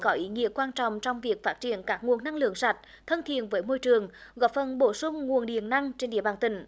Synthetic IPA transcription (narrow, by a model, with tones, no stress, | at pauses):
kɔ˨˦ʔi˨˦ŋḭ˧˥əkwaː˧nt͡ɕɔ̰˧˨wŋ͡mt͡ɕɔ˧wŋ͡mvi˨˩ək̚faː˦˥t̚t͡ɕḭ˧˨ənkaː˦˥k̚ŋu˨˩əna˧ŋlɨ̰˧˨əŋsa˨˩t̟̚ | t̪ʰə˧nt̪ʰḭ˧˨ənvəː˨˦jmo˧jt͡ɕɨ˨˩əŋɣɔ˨˦˥p̚fə˨˩nɓo˧˩sʊ˧ŋ͡mŋu˨˩ənɗḭ˧˩˨ənna˧ŋt͡ɕe˧nɗḭ˧˨əɓaː˨˩nt̪ï˧˩ŋ̟